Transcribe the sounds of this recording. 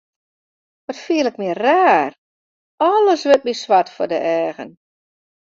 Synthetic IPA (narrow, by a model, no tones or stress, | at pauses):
ʋɔtfiələk̚mɪəraːr | ɔləsʋɪt̚misʋatfɔrdə̰ʔɛːɣə̰n